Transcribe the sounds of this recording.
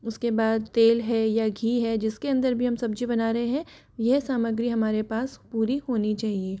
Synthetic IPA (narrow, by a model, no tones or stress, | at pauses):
ʊskebaːd̪̚t̪eːlɦɛjaɡʱiːɦɛd͡ʒɪskeɐ̃nd̪əɾbʱiɦɐmsɐbd͡ʒʱibɐnaːɾɐɦeɦɛ̃ | jɛɦsaːməɡɾiɦɐmaːɾepaːspuːɾihoːnit͡ʃaːɦieː